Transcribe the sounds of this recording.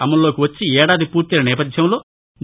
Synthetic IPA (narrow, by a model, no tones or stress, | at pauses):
ɐmɐlːo̞ːkiʋɐt͡ʃːiɛːɽaːd̪ipuːɾt̪ilɐnɛːpɐd̪ʱjɐmlo̞ː | n